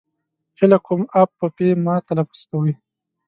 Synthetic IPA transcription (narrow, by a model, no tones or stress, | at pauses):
hɪlakʰumap̚ːəpemɑːt̪alafu̥skawəj